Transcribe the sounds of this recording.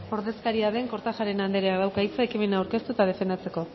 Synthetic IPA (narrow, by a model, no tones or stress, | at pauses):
o̞ɾðe̞skaɾiaðe̞ŋko̞ɾt̪axaɾe̞nand̪eɾeaðawkajt͡saekime̞naːwɾke̞st̪uet̪að̞e̞fe̞nd̪at͡se̞ko̞